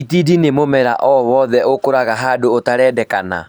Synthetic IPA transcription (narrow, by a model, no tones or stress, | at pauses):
itidinemomɛɾaʔɔwɔðɛʔokoɾaɣaɦaːdoːtaɾɛːdɛkana̰